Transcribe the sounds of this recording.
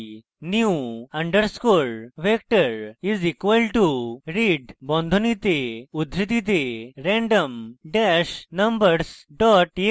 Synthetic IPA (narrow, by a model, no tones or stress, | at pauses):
njuuɐ̃ɳɖəɾskoɭʋek̚ʈəɾizikʋəlʈuɾiɖbɔ̃nd̪ʱonit̪eud̪ʱɾit̪it̪eɾɛ̃ɳɖəmɖæɕnəmbəɾsɖɔʈje